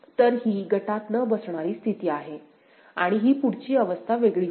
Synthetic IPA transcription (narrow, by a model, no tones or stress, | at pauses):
t̪əɾɦiːɡəʈat̪nəbəsɳ̃aɾiːst̪ʰit̪iːaɦe | a̰ɽ̃iɦiːpuɽ̤t͡ɕiːəʋəst̪ʰaʋeɡɭiː